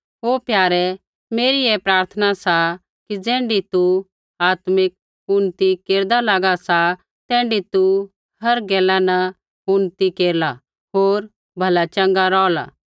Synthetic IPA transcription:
ɦoːpjaːɾɛ | meːɾiepɾaːɾt̪ʰənasa | kid͡zɛ̃ːɳɖit̪u | aːt̪mɪk̚ | ʊnt̪ikeːɾd̪alaɡasa | t̪ɛ̃ːɳɖit̪u | hɐɾɡɛːlanɐ | ʊnt̪ikeːɾla | ɦoːɾ | bʱɐlat͡ʃɐ̃ŋɡaɾɔːla̰ː

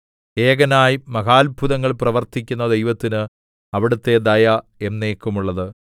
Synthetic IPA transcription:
eːɡɐnaːjmɐɣaːlbʱuðɐŋːɐɭprɐʋɐrt̪ikʲːunːɐd̪e̞jʋɐt̪ːinɨ | ɐʋiɽut̪ːe̞d̪ɐjɐ | e̞nːeːkːumuɭːɐðɨ

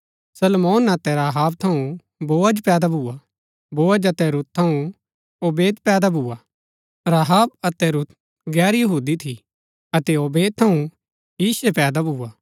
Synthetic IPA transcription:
sɐlmoːnɐt̪ɛɾaːɦaːb̚t̪ʰɐũ | boːəd͡ʒpɛːd̪abʱuːa | boːəd͡ʒɐt̪ɛɾut̪̚t̪ʰːɐũ | oːbeːd̪pɛːd̪abʱuːa | ɾaːɦaːb̚ɐt̪ɛɾut̪̚ | ɡɛːɾjɐɦuːd̪it̪ʰi | ɐt̪ɛoːbeːd̪̚t̪ʰɐũ | jiːsepɛːd̪abʱuːa

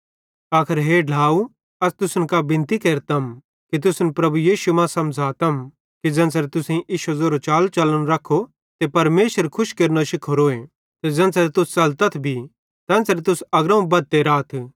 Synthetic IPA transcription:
aːkʰəɾɦeːɖʱlaːu | ɐst̪ʊsnkabɪ̃nt̪ikeːɾt̪ɐm | kit̪̬ʊsnpɾɐbujiːʃumãsɐ̃md͡zʱaːt̪ɐm | kid͡zɐ̃nsɾet̪ʊsẽʔiːʃozoːɾot͡ʃaːlt͡ʃɐləñɾɐkʰːo | t̪epɐɾmeːʃəɾkʰʊʃkeːɾnoʃɪkʰoɾoːẽ | t̪ed͡zɐ̃nt͡sɐɾet̪ʊst͡ʃɐlt̪ɐt̪ʰbʱi | t̪ɛ̃ːnsɐɾet̪ʊsɐɡɾɐ̃ũbɐd̪̚t̪eɾaːt̪ʰ

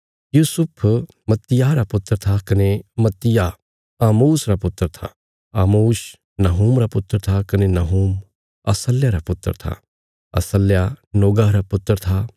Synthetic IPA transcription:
juːsʊpʰ | mɐt̪ːɪjaɾapʊt̪ːəɾt̪ʰakɐnemɐt̪ːɪja | aːmuːsɾapʊt̪ːəɾt̪ʰa̰ | aːmuːs | nɐɦuːmɾapʊt̪ːəɾt̪ʰakɐnenɐɦuːm | ɐ̰səlːjaɾapʊt̪ːə̰ɾt̪ʰa̰ | ɐ̰səlːjanoːɡaːɾapʊt̪ːəɾt̪ʰa

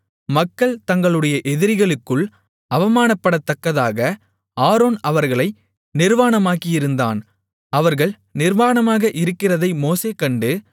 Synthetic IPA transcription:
mɐkːɐɭt̪ɐŋɡɐɭɯɽɐjɐʔɛðɪɾɪɣɐɭɯkːɯɭ | ɐʋɐmaːnɐpːɐɽɐt̪ːɐkːɐðaːɣɐ | aːɾoːnɐʋɐɾɣɐɭɐɪ | nɪɾʋaːnɐmaːkɪjɪɾɯnd̪a̰ːn | ɐʋɐɾɣɐɭ | nɪɾʋaːɳɐmaːɣɐʔɪɾɯkːɪrɐðɐɪmoːseːkɐɳɖɯ

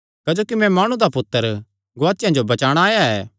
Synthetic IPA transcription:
kɐd͡ʒoːkimɛ̃maːɽ̃ũd̪apʊt̪ːəɾ | ɡʊaːt͡ʃːɪjãd͡ʒobɐt͡ʃaːɽ̃aːjaɛː

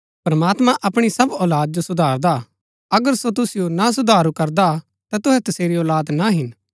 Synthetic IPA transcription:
pɾɐmaːt̪mãʔɐpɽ̃isɐbɔːlaːd̪̚d͡ʒosʊd̪ʱaːɾd̪a | ɐɡəɾsot̪ʊsɪjonas̬ʊd̪ʱaːɾukɐɾd̪a | t̪at̪ʊɦɛt̪ʊseːɾiɔːlaːd̪naɦɪn

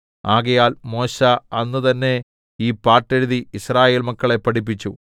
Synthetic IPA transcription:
aːɣɐjaːlmo̞ːɕɐɐnːut̪ɐnːe̞ | iːpːaːrʈːeɻuðiiɕraːje̞ːlmɐkːɐɭe̞pːɐʈip̬ːit͡ɕːṵ

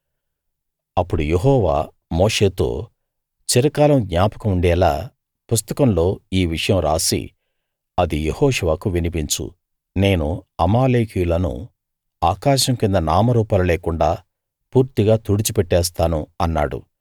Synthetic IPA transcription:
ɐpːuɽujeɦɔːʋa̰ː | moːʂe̞ːt̪o̰ː | t͡ʃiɾɐkaːlɐmɡɲaːpɐ̥kuuɳɖɛːlaː | pust̪ɐkɐmlo̞ːiːʋiʂɐjɐmɾaːsḭ | ɐd̪ijehɔːʂuʋaːkuʋinipiɲt͡ʃṵ | ne̞ːnuɐmaːleːkijulɐnṵ | aːkaːʃɐmkind̪ɐnaːmɐɾuːpɐlɐleːkuɳɖaː | puːɾt̪iɡaːt̪uːɽit͡ʃipɛʈːɛːst̪aːnuɐnːa̰ːɽṵ

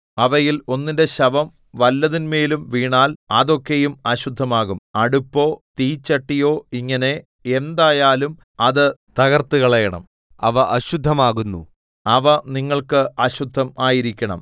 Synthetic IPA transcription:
ɐʋɐjilo̞nːinde̞ɕɐʋɐm | ʋɐlːɐðinme̞ːlumʋiːɳaːlɐðo̞kːe̞jumɐɕud̪ʱːɐmaːɣumɐɽupːo̞ːt̪iːt͡ɕːɐʈːijo̞ːiŋːɐne̞ | end̪aːjaːlum | ɐðɨt̪ɐɣɐrt̪uɣɐɭɐjɐɳɐ̰m | ɐʋɐʔɐɕud̪ʱːɐmaːɣunːṵ | ɐʋɐniŋːɐɭkɨɐɕud̪ʱːɐmaːjiɾikʲːɐɳɐ̰m

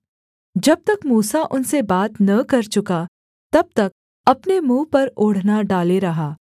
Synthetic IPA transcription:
d͡ʒɐb̚t̪ɐkmuːsaʔʊnsebaːt̪nɐkɐɾt͡ʃʊka | t̪ɐb̚t̪ɐk̚ | ɐpnemũːpɐɾʊːɽ̤naɖaːleɾɐɦaː

